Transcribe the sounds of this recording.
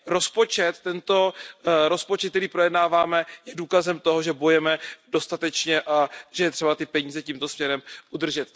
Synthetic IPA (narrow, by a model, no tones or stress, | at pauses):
ɾo̞spo̞t͡ʃɛt̪ːɛnt̪o̞ɾo̞spot͡ʃɛt̪̚t̪ɛɾiːpɾo̞jɛdnaːvaːmɛjɛduːkazɛmt̪o̞ɦo̞ʒɛbo̞jɛmɛdo̞st̪at̪ɛt͡ʃɲɛʔaʒɛjɛt̪r̥ɛbat̪ɪpɛɲiːzɛciːmt̪o̞smɲɛɾɛmʔud̪r̩ʒɛt̪